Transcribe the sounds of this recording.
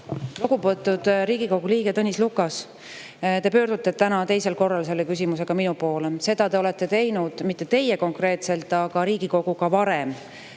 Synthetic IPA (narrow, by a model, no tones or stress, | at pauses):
loɡubot̪ːˑud̪̥ɾiːɡ̥iko̞ɡ̥uliːɡe̞t̪ɤnʲislukːˑɑs | t̪e̞pø̞ːɾd̪̥ut̪ːˑe̞t̪ænɑt̪e̞jse̞lko̞rːɑlse̞lːekys̬ʲimuse̞ɡ̥ɑminupo̞ːlese̞d̪̥ɑt̪e̞o̞le̞t̪ːe̞t̪e̞jnud̪̥mit̪ːe̞t̪e̞jeko̞ŋkre̞ːt̪se̞lt̪ːˑɑɡ̥ɑɾiːɡiko̞ɡ̥ukɑvɑɾe̞m